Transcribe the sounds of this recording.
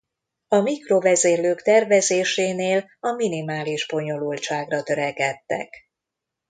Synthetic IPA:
ɒmikro̞vɛzeːrløːkt̪ɛrvɛzeːʃeːneːl | ɒminimaːliʒbo̞ɲo̞lult͡ʃaːɡrɒt̪øɾɛkɛt̪ːɛ̰k

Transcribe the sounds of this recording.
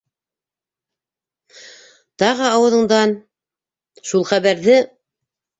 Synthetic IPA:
t̪ɑʁɤɑwɤ̆ðɤ̆ɴd̪ɑn | ʃulˠχæβæɾðɘ

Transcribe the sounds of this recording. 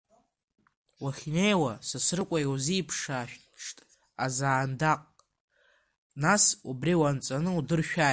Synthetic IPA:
waχʲnejwasasrɨkʷʼajwziːpʰʂaʃᶣ | ʂtʼ | a̰zaːndaqʼ | nasubriwant͡sʼanɨudɨrʃᶣa

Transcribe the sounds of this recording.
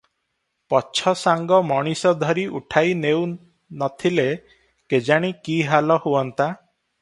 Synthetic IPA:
pɔt͡ʃʰɔsaŋɡɔmɔɽ̃isɔd̪ʱɔɾiʔuʈʰajnew | nɔt̪ʰile | ked͡ʒaɽ̃ikiɦalɔhuɔnt̪a

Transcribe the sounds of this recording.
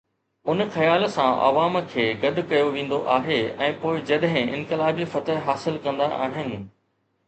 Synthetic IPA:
ʊnxɐjaːlsãʔɐ̰ʋaːmkʰeːɡɐd̪ʱʊkɐjoʋẽːn̆d̪oʔaːɦeɛ̃ːpoːɪd͡ʑɐɗɦɪ̃ɪ̰̃nkɪlaːbifɐt̪əɦɦaːsɪlkɐ̃nd̪aʔa̰ːɦɪnɪ̆

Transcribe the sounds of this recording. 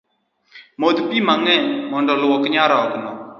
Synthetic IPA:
mod̪pimaŋɛmɔnɖɔlwokɲaɾaknɔ

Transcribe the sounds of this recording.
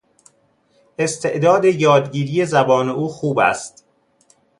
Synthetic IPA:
ʔe̞st̪ʰe̞ʔd̪ɒːd̪e̞jɒːd̪ɟiːɾije̞zæbɒːne̞ʔuːxuːbæ̰st̪

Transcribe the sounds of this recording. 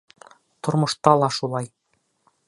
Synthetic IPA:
t̪ŏɾmɤ̆ʃt̪ɑlˠɑʃulˠɑj

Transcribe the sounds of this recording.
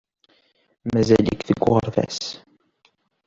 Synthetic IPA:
mæzælikθəɡʷːoʁɾˤðæ̰s

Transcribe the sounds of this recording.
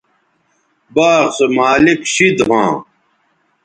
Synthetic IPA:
baːʁsemaːlikɕid̪ɦãː

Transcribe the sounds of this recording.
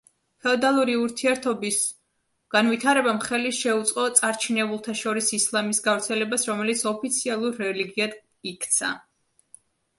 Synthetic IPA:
pʰɛɔd̪alˠuɾiuɾt̪ʰiɛɾt̪ʰɔbis | ɡ̥anwit̪ʰaɾɛbamχɛliʃɛut̪sʼqʼɔt̪sʼaɾt͡ʃʰinɛbulˠt̪ʰaʃɔɾisislˠamisɡavɾt̪sʰɛlɛbasɾɔmɛlit̪sʰɔpʰit̪sʰialˠuɾːɛliɡiad̪ | ikʰt̪sʰa̰

